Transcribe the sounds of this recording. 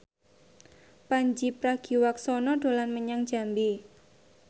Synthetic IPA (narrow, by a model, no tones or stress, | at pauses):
paɲd͡ʒipɾahɡ̥i̤waksɔnɔɖ̥o̤lanməɲaŋ̥d͡ʒ̥a̤mbi